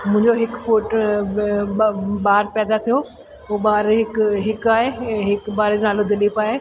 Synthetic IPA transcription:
mʊ̃ɦɪ̃ɲd͡ʑoɦɪkfuːʈ | ɓaːəɾpɛːd̪at̪ʰijo | oɓaːɾɦɪkɦɪkaːɦeɦɪkbaːɾed͡ʑnaːlod̪ɪlipaːɦe

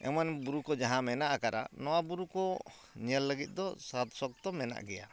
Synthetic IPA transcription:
ɛ̰manbuɾukɔd͡ʒaɦãmɛnaʔakaɾa̰nɔwabuɾukɔ | ɲəlːəɡit̪̚ˀd̪ɔsat̪sɔk̚t̪ɔmɛna̰ʔɡɛja̰

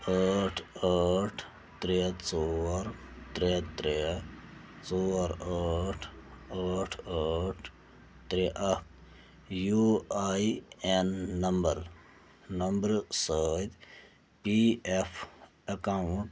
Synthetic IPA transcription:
əːʈʰəʈʰ | t̪ɾet͡soːɾt̪ɾet̪ɾe | t͡soːɾəʈʰəːʈʰəʈʰ | t̪ɾeʔɐ | juaienːɐmbəɾ | nɐmbəɾsəːd̪ | piepʰ | ɐkaʊɳʈ

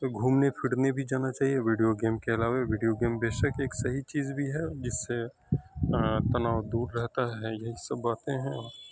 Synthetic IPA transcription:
t̪oɡʱuːmnepʰɪɽnebʱid͡ʒaːnat͡ʃaːɦieʋiːɖijoɡeːmkeɐlaːʋeʋiːɖijoɡeːmbeːʃəkeːksɐɦit͡ʃiːzbʱiɦɛd͡ʒɪsːe | t̪ɐnaːwd̪uːɾːɛɦt̪aɦɛjɐɦisɐbːaːt̪ẽɦɛ̃ɔːɾ

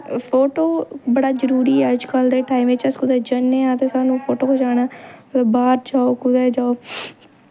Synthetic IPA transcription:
pʰoːʈoːbəɽaːzəɾuːɾiːɛd͡ʒkəld̪eːʈaːimɪt͡ʃəskʊd̪ɛːd͡ʒənːẽːãːt̪eːsaːnũːpʰoːʈoːkod͡ʒaːɽaːbaːɾd͡ʒaːoːkʊd̪ɛːd͡ʒaːoː

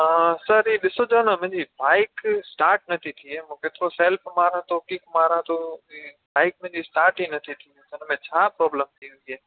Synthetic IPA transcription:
səɾiːɗɪsod͡ʒəñəmə̃ːd͡ʑibaːɪksʈaːɾʈ̚nɐt̪ʰit̪ʰiemũːkeːt̪ɪɾoseːlpʰmaːɾãt̪ʰokikmaːɾãt̪ʰoiː | baːɪk̚mɛ̃ːd͡ʑisʈaːɾʈinɐt̪ʰit̪ʰĩt̪ənmẽt͡ɕʰaːpɾɔːbləmt̪ʰiɪ̃ieː

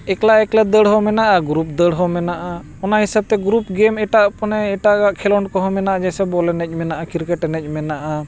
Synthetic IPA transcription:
ɛklaʔɛklɛd̪əɽɦɔmɛnaʔaɡɾup̚d̪əɽɦɔmɛnaʔa | ɔnaɦisab̚t̪ɛɡɾup̚ɡɛmɛʈaʔpɔnɛɛʈaʔɡaʔkʰɛlɔɳʈkɔɦɔmɛnaʔad͡ʒasɛbɔlɛnɛc̚ˀmɛnaʔakiɾkɛʈɛnɛc̚ˀmɛnaʔa

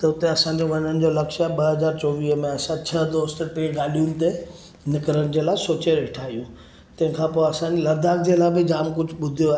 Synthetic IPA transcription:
t̪ɐʊt̪eɐsãɲ̆d͡ʑoʋɐɲənɪ̆d͡ʑoːlɐkʃaːɦeɓɐɦɐzaːɾt͡ɕɔːʋiːɦəmẽɐsãt͡ɕʰɐd̪oːst̪peːɡaːlijʊnɪ̆t̪e | nɪkɾənɪ̆d͡ʑeːlaːɪsoːt͡ɕəɾɪʈʰaːijũ | t̪ɐ̃ɦɪ̃kʰãːpoːɐsãːd͡ʑelɐɾd̪ʱaːkd͡ʑelaːbɪd͡ʑaːmkʊd͡ʑʱʊɓʊd̪ʱijoaːɦe

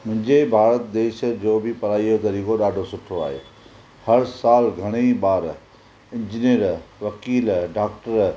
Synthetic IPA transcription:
mʊ̃ɦɪ̃ɲd͡ʑebʱaːɾət̪d̪eːʃd͡ʑoːbɪpɐɾaːiod̪ɐɾiːɡoɗaːɖʱosʊʈʰoa̰ːɦḛː | hɐɾsaːlɡʱɐɽ̃eɓaːɾ | ɪ̃ɲd͡ʑiniəɾʋɐkiːlɖaːk̚ʈəɾ

